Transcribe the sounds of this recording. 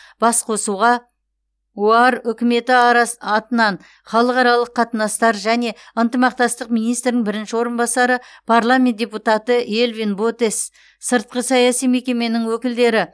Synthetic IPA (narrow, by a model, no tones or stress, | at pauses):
b̥ɑsqʰo̞suʁɑ | uɑɾʏkʲɪme̞t̪ɪɑɑt̪ənɑn | χɑlˠəqɑɾɑlˠəqʰːɑt̪ənɑst̪ɑɾʒæne̞ | ənt̪əmɑq̚t̪ɑst̪əqmijnijst̪ɾnɪŋbɪɾɪnʃɪwo̞ɾənbɑsɑɾəpʰaɾlˠamʲent̪d̥ʲe̞put̪ɑt̪əʔelvinbo̞t̪e̞s | səɾt̪̚qəsɑjɑsijme̞kʲe̞me̞nɪŋwɵkʲɪld̪e̞ɾɪ